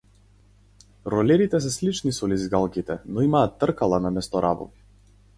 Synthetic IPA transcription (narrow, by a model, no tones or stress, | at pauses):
ɾɔlɛɾit̪ɛs̬ɛslit͡ʃnisɔlizɡalˠkʲit̪ɛnɔimaːt̪ːr̩kalˠanamɛst̪ɔɾʔa̰bɔ̰vi